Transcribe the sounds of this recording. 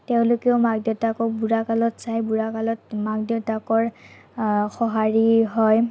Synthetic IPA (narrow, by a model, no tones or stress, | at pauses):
teʊ̃lʊkeomaɡ̚dɔtakɔk̚buɹakalɔtsajbuɹakalɔtmaɡ̚dɔtakɔɹ | xɔɦaɹiɦɔj